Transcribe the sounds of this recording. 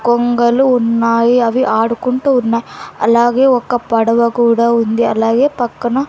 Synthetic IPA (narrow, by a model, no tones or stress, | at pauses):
kɔŋɡɐluunːaːjiɐʋiʔaːɽukuɳʈɐunːaːjiɐ̰lːaːɡeɔkːɐpɐɽɐʋɐkuʋɽɐund̪iɐ̰lːaːɡjepɐkːɐnɐ